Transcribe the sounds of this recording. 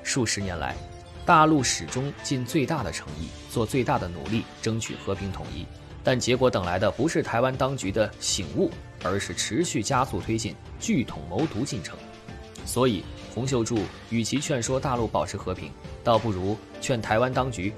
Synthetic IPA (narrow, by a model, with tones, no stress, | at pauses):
ʂu˥˩ʂɻ̩˧˥njɛ˧˥nla̰˧˥ɪ | t̪a˥˧lu˥˩ʂɻ̩˨˩ʈ͡ʂʊ˥ŋt͡ɕi˥˧nt͡swe˥˧ɪt̪a˥˩d̪ə̰˩ʈ͡ʂʰɤ˧˥ŋḭ˥˩ | t͡swɔ˥˧t͡swe˥˧ɪt̪a˥˩d̪ə˩nṵ˨˩li˥˩ʈ͡ʂɤ˥ŋt͡ɕʰy̰˨˩xɤ˧˥pʰi˧˥ŋt̪ʰʊ̰˨˩ŋʔḭ˥ | t̪a˥˩nt͡ɕjɛ˧˥kwɔ˧˥t̪ɤ˨˩ŋla˧˥ɪd̪ə˧pu˧˥ʂɻ̩˥˩t̪ʰa˧˥ɪwa˥nt̪ɑ˥ŋt͡ɕy˧˥d̪ə˧ɕi˨˩ŋu˥˩ | ə˞˧˥ʂɻ̩˥˩ʈ͡ʂʰɻ̩˧˥ɕy˥˩t͡ɕja˥su˥˧t̪ʰwe˥ɪt͡ɕi˥˩nt͡ɕy˥˩t̪ʰʊ˨˩ŋmo˧˥ʊt̪u˧˥t͡ɕi˥˩nʈ͡ʂʰɤ̰˧˥ŋ | swɔ˧˥i˨˩xʊ˧˥ŋɕ̬jo˥˧ʊʈ͡ʂu˥˩ | y˨˩t͡ɕʰi˧˥t͡ɕʰɥɛ˥˩nʂwɔ˥t̪a˥˧lu˥˩pɑ˨˩ʊʈ͡ʂʰɻ̩˧˥xɤ˧˥pʰḭ˧˥ŋt̪ɑ˥˧ʊpu˥˩ɻu˧˥ | t͡ɕʰɥɛ˥˩nt̪ʰa˧˥ɪwa˥nt̪ɑ˥ŋt͡ɕy˧˥